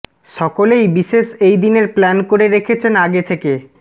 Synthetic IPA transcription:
ʃɔkolejbiʃeʃejd̪ineɾplɛnkoɾeɾekʰet͡ɕʰenaɡet̪ʰeke

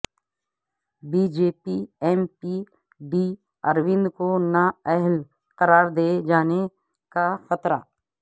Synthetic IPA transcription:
biːd͡ʒeːpiɛːmpi | ɖiː | ɐɾʋɪ̃nd̪konaɛɦl | qəɾaːɾd̪ed͡ʒaːne | kaxɐt̪ɾa̰ː

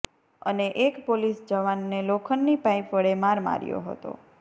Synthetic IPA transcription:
ə̰neʔekpolisd͡ʒəʋanːelokʰənːipajpəɭemaɾma̰ɾjo̰ɦə̰t̪o̰

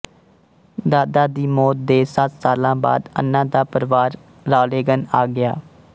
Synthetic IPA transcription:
d̪aːd̪aːd̪iːmɔːt̪̚d̪eːsət̪saːlãːba̰ːd̪ə̰nːãːd̪aːpəɾʋaːɾ | ɾaːleːɡənaːɡɪjaː

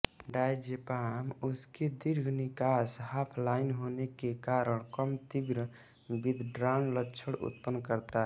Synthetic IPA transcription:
ɖajd͡ʒepamusked̪iɾɡʱnikashaːpʰlaɪnɦonekekaɾəɽ̃kəmt̪iɡɾə | bid̪ʱɖɾanləʈːt͡ʃʰəɽṵt̪pənːkəɾt̪aɦɛ

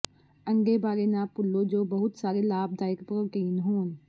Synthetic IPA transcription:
ə̃ŋɡebaːɾenaːpʊlːod͡ʒoːbɐɦʊt̪saːɾelaːb̚d̪aːjɪkpɾəʈiːnɦoːn

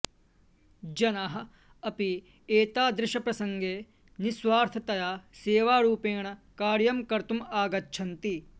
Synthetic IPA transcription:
d͡ʒɐnaɦɐ̆ | ɐpi | eːt̪aːd̪ɾɪʃɐpɾɐsɐŋɡeː | nisʋaːɾt̪ʰɐt̪ɐjaːseːʋaːɾuːpeːɳɐkaːɾjɐmkɐɾt̪umaːɡɐtːʃʰɐnt̪i

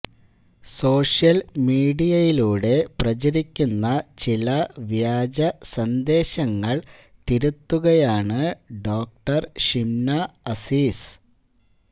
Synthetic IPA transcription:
so̞ːʂjɐlmiːɽijɐjiluːɽe̞prɐt͡ɕɐɾikʲːunːɐt͡ɕilɐʋjaːd͡ʑɐsɐnd̪e̞ːɕɐŋːɐɭ | t̪iɾut̪ːuɣɐjaːɳɨɖo̞ːk̚ʈɐrʂimnɐɐsiːs

